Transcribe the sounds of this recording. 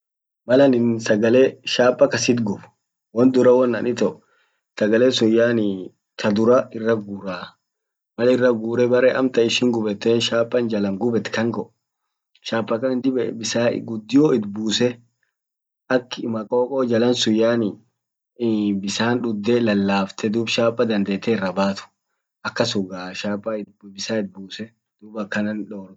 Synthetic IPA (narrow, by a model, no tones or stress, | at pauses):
mɐlɐnɪnsɐɡɐleːʃaːpʼːɐkɐsɪt̪ɡʊbʊ | wɔnd̪ʊɾɐwɔnːɐnɪt̪ɔʔʊ | sɐɡɐleːsʊjːaːnɪ | t̪ʰɐd̪ʊɾɐɪrːɐɡuːɾaː | mɐlɪrːɐɡuːɾɛbɐɾɛʔɐmt̪ɐɪʃɪŋɡʊbɛt̪ːeːnʃaːpʼːɐnd͡ʒɐlɐŋɡʊbɛt̪ːkɐŋɡɔʔ | ʃaːpʼːɐkːɐnnd̪ɪbɛbɪsa̰ːɡʊd̪ːɪjoːɪd̪buːsɛ | ʔɐkːmɐkʼo̞ːkʼoːd͡ʒɐlɐnsʊjaːnɪ | bɪsaːnᶑʊd̪ːɛlɐlːaːft̪ɛd̪uːbʃaːpʼːɐd̪ɐnd̪eːt̪ːɛɪrːɐbaːt̪ʊ̥ | ʔɐkːɐsʊɡaːʃaːpʼːɐɪ | bɪsaːɪd̪̚buːsɛ | d̪̥uːbɐkːɐnɐnᶑoːɾ